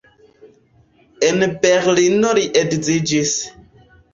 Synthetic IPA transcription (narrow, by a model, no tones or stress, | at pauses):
ɛnpɛɾlinɔɾiʔekzid͡ʒis